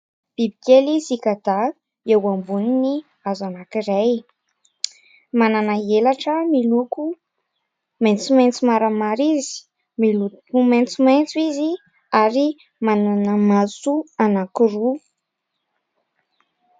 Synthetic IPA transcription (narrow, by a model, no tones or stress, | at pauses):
b̥ibikelizikad̪a | ewambunini | azanakiɾej | mananaelaʈ͡ʂəmiluku | ment͡sument͡sumaɾəmaɾizi̥ | miluument͡sument͡suizi | aɾi | mananəmasuanakiru